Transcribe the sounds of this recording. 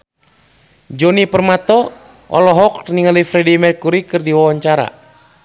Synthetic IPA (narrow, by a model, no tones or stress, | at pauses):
d͡ʒɔnipərmat̪ɔ | ɔ̰lɔɦɔk̚niŋalifɾɛdimɛrkuɾikɨrdiwawaɲt͡ʃaɾa̰